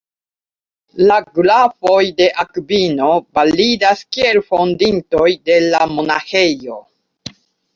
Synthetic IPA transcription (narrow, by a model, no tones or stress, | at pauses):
laɡlafo̞jde̞ʔakbino̞balidaskie̞lfo̞ndinto̞jde̞lamo̞nahe̞jo̞